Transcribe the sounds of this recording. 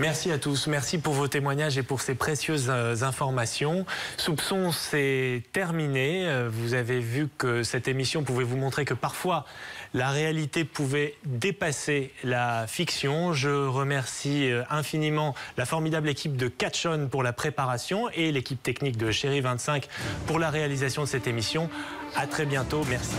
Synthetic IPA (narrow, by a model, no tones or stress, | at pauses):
mɛʁsiat̪usmɛʁsipuʁvot̪emwaɲaʒepuʁsepχesjøzːɛ̃fɔʁmasjɔ̃supsɔ̃sɛt̪ɛʁmineøvuzavevykəsɛt̪emisjɔ̃puvɛvumɔ̃t̪χekəpaʁfwalaʁealit̪epuvɛd̪epaselafiksjɔ̃ʒəʁəmɛʁsiøɛ̃finimɑ̃lafɔʁmid̪ablekʲʰip̚d̪əkat̪ʃɔnpuʁlapχepaʁasjɔ̃elekʲip̚t̪ɛknik̚d̪əʃeʁivɛ̃t̪sɛ̃kpuʁlaʁealizasjɔ̃d̪əsɛt̪emisjɔ̃ | at̪χɛbjɛ̃t̪omɛʁsi